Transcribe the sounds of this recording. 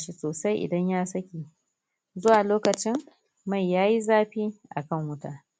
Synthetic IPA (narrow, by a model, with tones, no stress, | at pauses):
ʃi˨soː˨sa˦jʔɪ̰˨dɐ˦ɲjaː˦sɐ˦kʲiː˨ | zʊ˦waː˨loː˦kɐ˨t͡ʃɪ˦ŋ | ma˦˨jːaː˦ji˦zaː˦ɸiː˦ʔa̰˨kɐ˦˨ŋwʊ˦taː˨